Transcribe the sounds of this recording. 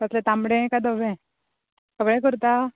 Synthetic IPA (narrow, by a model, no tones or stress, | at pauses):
t̪əslẽt̪amɽẽkad̪əʋẽ | səɡɭɛ̃k̬əɾt̪a